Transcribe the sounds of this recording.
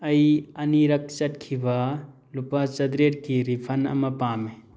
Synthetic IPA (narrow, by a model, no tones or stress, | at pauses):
ɐiɐniɾɐkʰt͡ʃɐʈkʰiʋa | lupat͡ʃɐd̪ɾeʈkiɾipʰɐnɐ̰mɐpaːme